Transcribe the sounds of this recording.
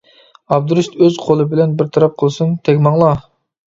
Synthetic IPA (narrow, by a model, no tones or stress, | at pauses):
ɑb̚d̪uɾust̪øzqʰolˠɨbɪlɛnbɪɾt̪ʰɑɾɑp̚qʰəlˠsunt̪ʰɛkʲmɑŋlˠɑ